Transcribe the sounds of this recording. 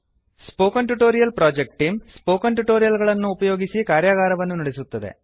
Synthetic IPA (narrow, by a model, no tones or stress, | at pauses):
spo̞ːkɐnʈuʈoːɾijɐlpɾaːd͡ʒek̚ʈʈːiːmspo̞ːkɐɳʈuʈo̞ːɾijɐlɡɐɭɐnːuːpɐjo̞ːɡisikaːɾjaːɣaːɾɐʋɐnːunɐɽesut̪ːɐd̪ḛ